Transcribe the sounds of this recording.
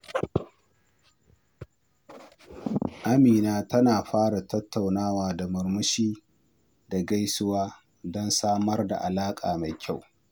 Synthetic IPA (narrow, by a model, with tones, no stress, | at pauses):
ʔa˦miː˨naː˦tɐ˦naː˨ɸaː˦ɽa˨tɐ˦tːa˨wnaː˦waː˨da˨mʊ˨rmʊ˦ʃiː˦ | da˨ɡa˦jsʊ˦waː˦ | dɔ˦nsaː˦mɐ˦rda̰˨ʔa˨laː˦kʼa̰ː˨ma˨jkʲʰa˦˨w